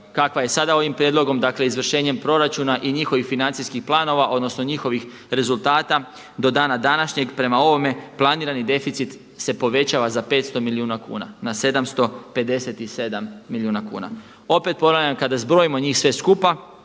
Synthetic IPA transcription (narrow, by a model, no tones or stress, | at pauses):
kakʋajesad̪ao̞ʋimpɾʲjed̪lˠo̞ɡo̞md̪akle̞izʋr̩ʃe̞ːɲe̞mpɾo̞ɾat͡ʃuːnaʔiɲixo̞ʋixfinant̪sijskixplˠaːno̞ʋaʔo̞d̪no̞sno̞ɲixo̞ʋix | ɾe̞zulˠt̪aːt̪a | d̪o̞d̪aːnad̪anaʃɲe̞ɡpɾe̞mao̞ʋo̞me̞plˠaniːɾanid̪e̞fit̪sit̪ | se̞po̞ʋe̞t͡ɕaʋazape̞ːt̪st̪o̞miliuːnakṵːna̰nase̞d̪amst̪ope̞d̪e̞se̞t̪ise̞d̪amːiliuːnakṵːna̰ | o̞pe̞t̪̚poɾaamkad̪azbɾo̞imo̞ɲiːxsʋe̞skupa